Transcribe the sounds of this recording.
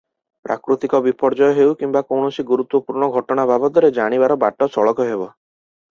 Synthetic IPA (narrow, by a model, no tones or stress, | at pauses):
pɾa̰kɾut̪ikɔbipɔɾd͡ʒɔjɔɦewkimbakɔwɳɔsiɡuɾut̪wɔpuɾɳ̃ɔɡʱɔʈɔɽ̃abʱabɔt̪ɔɾed͡ʒaɽ̃ibaɾɔbaʈɔsɔɭɔkɔɦebɔ